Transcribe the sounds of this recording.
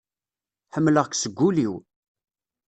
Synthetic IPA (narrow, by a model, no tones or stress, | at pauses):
ħəmːləʁksəɡʷːuliw